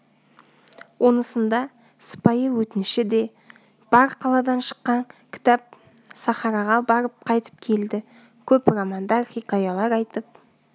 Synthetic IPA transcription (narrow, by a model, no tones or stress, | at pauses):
wʔonəsənd̪ɑ | sə̥pɑjəwɵt̪ɪnɪʃɪd̪e̞ | b̥ɑɾqʰɑlˠɑd̪ɑnʃə̥qːɑŋkʲʰɪ̥t̪ɑp̚ | sɑχɑɾɑʁɑbɑɾəp̚qʰɑjt̪ə̥p̚kʲʰe̞ld̪ɪ | kʲʰɵprɑmɑnd̪ɑɾχikajɑlˠɑɾɑjt̪əp̚